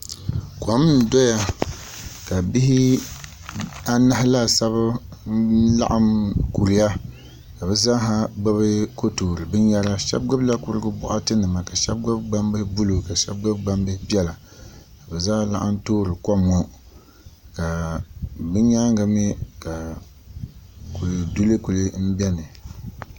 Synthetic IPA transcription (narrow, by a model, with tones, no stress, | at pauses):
kʷa˨m˦n̩˨dɔ˦ja˦ | ka˨bi˦hi˦ | a˦na˦hla˦˨sa˦β | la̰˦ʔa˦mku˨ɾi˨˦ja˦ | ka˨bɛ˨zaː˦ɦa˦ɡ͡ba˦βɨ˦ko˦toː˨ɾɨ˨bɨ˦ɲa˦ɾa˦ʃɛ̰˦b̚ɡɨ˦bla˦ku˦ɾɨ˦ɡɨ˦bʊ̰˦ʔa˦tɨ˦nɨ˨ma˨ka˨ʃɛ̰˦b̚ɡɨ˦bɡ͡ba˦mbɨ˦hbu˦lo˨ka˨ʃɛ̰˦b̚ɡ͡bɨ˦bɡ͡ba˦mbɨ˦hpi˦ɛ˦la˨ | ka˨bɛ˨zaː˦la̰˦ʔa˦n˦toː˦ɾɨ˨ka˦mo˦ | ka˨ | bɨ˦ɲa˦ŋɡa˨mi˦ka˨ | ku˨li˨du˦lɨ˦ku˨lɨ˦m̩˦bɛ˦nɨ˨